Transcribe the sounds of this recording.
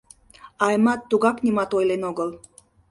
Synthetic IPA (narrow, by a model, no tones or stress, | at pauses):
ɑjmɑt̪ːuɣɑknimɑt̪ojlenoɡəl